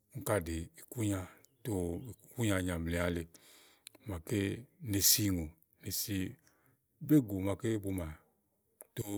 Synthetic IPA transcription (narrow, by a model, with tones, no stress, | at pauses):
ŋ̩˦ka˧de˨i˨ku˦ɲa˧ | to˧i˨ku˦ɲa˧˨ɲã˨m˨e˨˦a˧le˨˦ | ma˨ke˦ne˧si˧ŋo˨ | ne˨si˧˦ | be˦ɡo˨ma˨ke˦bu˧ma˨ | to˦